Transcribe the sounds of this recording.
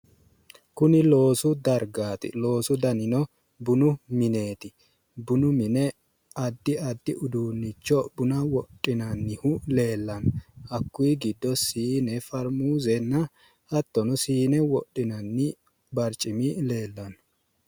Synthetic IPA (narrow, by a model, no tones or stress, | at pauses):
kʊnɪlo̞ːsʊd̪ɐɾɡaːt̪ɪ̰lo̞ːsʊd̪ɐnɪnɔ | bʊnʊmɪne̞ːt̪ɪ | bʊnʊmɪnɛ | ɐd̪ːɪɐd̪ːɪʔʊd̪uːnːɪt͡ʃːɔbʊnɐwɔtʼːɪnɐnːɪhʊle̞ːlːɐnɔɐkːʊjɡɪd̪ːɔsiːnɛfɐɾmuːzɛnːɐ | hɐt̪ːɔnɔsiːnɛwɔtːɪnɐnːɪ | bɐɾt͡ʃʼːɪmɪle̞ːlːɐnɔ